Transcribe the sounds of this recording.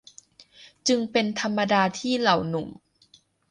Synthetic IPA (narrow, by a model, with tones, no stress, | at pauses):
t͡ɕɯ˧ŋpe˧nt̪ʰa˧mːa˧daː˧t̪ʰiː˥˩la˨˩wnu˨˩˦m